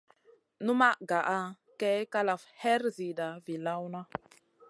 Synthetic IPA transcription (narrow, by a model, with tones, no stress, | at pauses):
nu˦ma˦ʔɡa˨ʔa˦ | kɛ˦ka˦la˨fhɛ˦ɾzi˨da˨vi˨la˦wna˦